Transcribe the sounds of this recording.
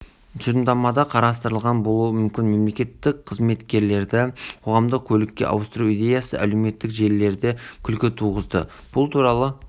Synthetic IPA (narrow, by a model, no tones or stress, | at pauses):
ʒəɾəmd̪ɑmɑd̪ɑqʰɑɾɑst̪əɾəlˠʁɑnbo̞lˠuəmʏmkʲɪnme̞mle̞kʲe̞t̪ːɪk̚qʰəzme̞t̪kʲe̞ɾle̞ɾd̪ɪqʰo̞ʁɑmd̪əq̚kʲʰɵlɪkʲːe̞̰ʔɑ̰wst̪əɾuijd̪ʲe̞jɑsə̰ʔæleme̞t̪ːɪkʒe̞lːe̞ɾd̪ekʲʰʏlkʲɪt̪ʰuʁəzd̪ə̰ | b̥ʊlˠt̪ʰuɾɑlˠə